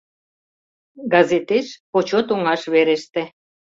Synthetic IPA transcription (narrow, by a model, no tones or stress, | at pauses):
ɡɑzet̪eʃpot͡ɕot̪oŋɑʃβeɾĕʃt̪ĕ